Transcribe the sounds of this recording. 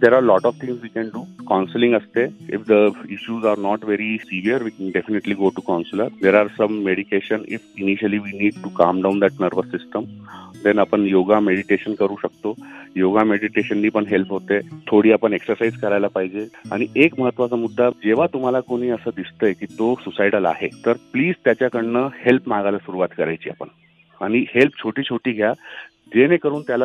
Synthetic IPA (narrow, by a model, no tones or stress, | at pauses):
d̪eɾaːɾlɔʈɔʋt̪ʰĩŋzʋiːkɛ̃nɖuːkanslĩŋɡəst̪eḭfd̪əiɕuːzaɾnɔʈʋeɾisiʋiəɾʋiːkɛ̃nɖefineʈliɡoʈukansləɾd̪eɾaɾsə̃mːeɽikeɕənḭfiniɕəliʋiniːɖ̚ʈukamɖãnd̪æʈnəɾʋəsisʈəmd̪ɛ̃napəɳjoɡameɽiʈeɕənkəɾuːɕək̚t̪ojoɡameɽiʈeɕənːiːpəɳɦelpɦot̪et̪ʰoɽiːapəɳeksəɾsaid͡zkəɾajlapaɦid͡ʑea̰ɽ̃iʔekməɦət̪ːʋat͡samud̪ʱːad͡ʑeʋ̤at̪um̤alakoɽ̃iːəsəːd̪ist̪əjkiːt̪osusajɽalaa̰ɦet̪əɾpliːd͡zt̪jat͡ɕjakəɽɳəhelpmaɡalasuɾuʋat̪kəɾajt͡ɕiːa̰pə̰ɳ | aɽ̃ihelp̚t͡ɕʰoʈiːt͡ɕʰoʈiːɡʱja | d͡ʑenekəɾuːnt̪jala